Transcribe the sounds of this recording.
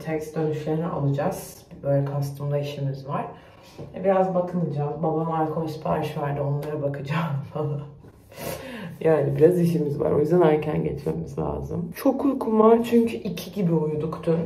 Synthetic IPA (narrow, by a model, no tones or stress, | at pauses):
t̪ʰɛkst̪d̪ø̞nyʃlʲeɾinɛʔa̰lˠɯd͡ʒaz̥ | bø̞ːlʲɛkʰast̪ʰɯmlˠaiʃimizvaɾ̥ | vɛbiɾazbakʰɯnˠɯd͡ʒazbabamalʲkʰolʲspʰa̰ɾʃvaɾd̪ɪo̞nlˠaɾabakʰɯd͡ʒam | jaːnibiɾaziʃimizva̰ɾo̞̰jyzd̪anæɾcʰænɟḛt̪ʰmḛmizlʲa̰ːzɯmt͡ʃʰo̞kʰujkʰumvaɾt͡ʃʰyɲcʰyʔicʰiɟibiujud̪ukd̪ʰyn